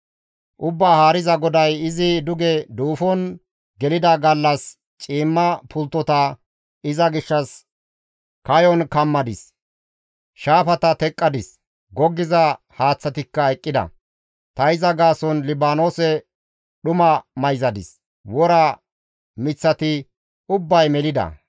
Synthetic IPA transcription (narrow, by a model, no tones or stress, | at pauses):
ʔʊbːaːhaːɾɪzɐɡɔd̪ɐjɪzɪd̪ʊɡɛd̪uːfɔn | ɡɛlɪd̪ɐɡɐlːɐs | t͡ʃʼiːmːɐpʰʊlt̪ːɔt̪ɐ | ɪzɐɡɪʃːɐs | kɐjɔnkɐmːɐd̪ɪs | ʃaːfɐt̪ɐt̪ɛkʼːɐd̪ɪs | ɡɔɡːɪzɐ | haːt͡sːɐt̪ɪkːɐjkʼːɪd̪ɐ̰ | t̪ɐɪzɐɡaːsɔnlɪbaːno̞ːsɛ | ɗʊmɐmɐjzɐd̪ɪs | wɔɾɐ | mɪt͡sːɐt̪ɪ | ʊbːɐjmɛlɪd̪ɐ̰